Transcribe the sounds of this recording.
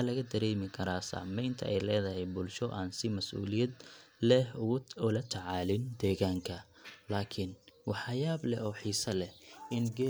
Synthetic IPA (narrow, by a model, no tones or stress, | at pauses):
lɐɣɐd̪ɐɾɛːmɪkʰɐɾaːsa̰ʕmɛjnt̪ʰɐ̰ʔɛjlɛːðɐɦɛjbʊlʃɔʔaːnsɪmɐsʔṵːlɪjɐd̪lɛhʊɣʊʊlɐt̪ʰɐʕɑːlɪnd̪ɛːɣaːŋkʰɐlaːkʰɪnwɑħɑjaːblɛʔɔːħiːsɐlɛhɪnɡɛ